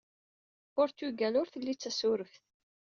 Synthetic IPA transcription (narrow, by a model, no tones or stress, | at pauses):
ʊɾt̪uɡænʊɾθəlːit͡sːæsʊɾəfθ